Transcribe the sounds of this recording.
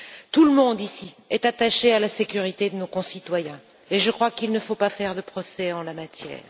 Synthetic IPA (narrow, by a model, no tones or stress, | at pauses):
t̪uləmɔ̃d̪isiɛt̪at̪aʃealasekʲyʁit̪ed̪ənokɔ̃sit̪wajɛ̃ | eʒəkχwakilnəfopafɛʁd̪əpχɔsɛɑ̃lamat̪jɛ̰ːʁ